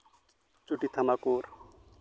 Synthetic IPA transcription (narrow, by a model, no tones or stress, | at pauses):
t͡ʃuʈit̪ʰamakuːɾ